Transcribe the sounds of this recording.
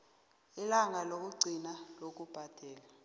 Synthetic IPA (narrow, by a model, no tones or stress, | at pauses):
ilaŋalok̬ʼuɡ͡ǀʱinalok̬ʼub̥ʱad̥ʱɛːla